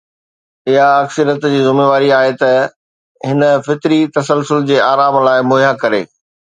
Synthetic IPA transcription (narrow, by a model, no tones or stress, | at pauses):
ɪɦaɐksəɾjət̪d͡ʑiːzʊmeːʋaːɾiaːɦet̪ɐ | ɦɪnə̆fɪt̪ɾit̪ɐsəlsʊld͡ʑeːaːɾaːmlaːɪmoːjakɐɾḛː